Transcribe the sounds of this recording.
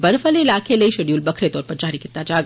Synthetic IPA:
bəɾfəleɪlaːkʰeləiʃeɖijuːlbɐkʰɾet̪ɔːɾpɐɾd͡ʒaːɾikɪɾt̪ːad͡ʒaːɡ

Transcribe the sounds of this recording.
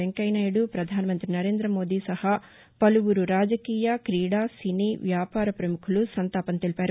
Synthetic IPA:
eŋkɐjnaːjɽupɾɐd̪ʱaːnɐmɐnt̪ɾinɐɾe̞ːnd̪ɾɐmo̞ːd̪iːsɐha | pɐluʋuɾuɾaːd͡ʒɐkiːjɐkɾiːɽaːsiniːʋjaːpaːɾɐpɾɐmukʰulusɐnt̪aːpɐnt̪elipaːɾu

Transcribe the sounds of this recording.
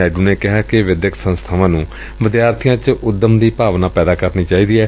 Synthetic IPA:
ɛːɖuːneːkɪɦaːkɪʋɪd̪jəksə̃nst̪ʰaːʋãːnũː | ʋɪd̪jaːɾt̪ʰɪjãːt͡ʃʊd̪ːəmd̪iːpaːʋnãːpɛːd̪aːkəɾniːt͡ʃaːiːd̪iːɛː

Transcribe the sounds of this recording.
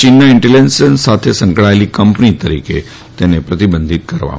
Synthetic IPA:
t͡ʃinːaɪɳʈelensənsat̪ʰesə̃ŋkɭaelikəmpnit̪əɾike | t̪enepɾət̪ibənd̪ʱit̪̚kəɾʋa̰

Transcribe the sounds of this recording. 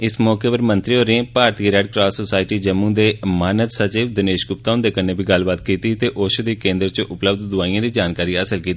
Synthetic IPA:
ɪsmɔːkeːpəɾmə̃nt̪ɾioːɾẽːpaːɾt̪iːɾɛːɖkɾaːsoːsaːɪʈiːd͡ʒəmːũːd̪eːmaːnət̪sət͡ʃiːʋd̪ɪneːʃɡʊp̚t̪aːʊ̃nd̪eːkənːeːbʱiːɡəlbaːt̪kiːt̪iːt̪eːʔoːʃəd̪iːkẽːnd̪ɾt͡ʃʔʊpləbd̪d̪ʊaːijãːd̪iːd͡ʒaːnkaːɾiːəsəlkiːt̪iː

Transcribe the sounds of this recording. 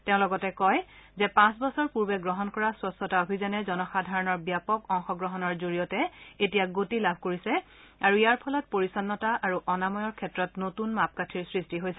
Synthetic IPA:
tɛʊ̃lɔɡɔtɛkɔjzɛpãs̬bɔsɔɹpuɹbɛɡɹɔɦɔnkɔɹaswɔsɔtaobʱizanɛzɔnɔxadʱaɹɔnɔɹbjapɔkɔŋxɔɡɹɔɦɔnɔɹzoɹijɔtɛetijaɡotilabʱkoɹisɛ | aɹuijaɹpʰɔlɔt̚poɹisɔnːɔtaʔaɹuʔɔnamɔjɔɹkʰɛtɹɔtnotunmap̚katʰiɹsɹistiɦojsɛ

